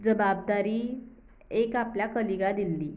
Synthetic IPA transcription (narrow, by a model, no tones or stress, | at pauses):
d͡zəbab̚d̪aɾiː | ekapljakəliɡad̪ilːiː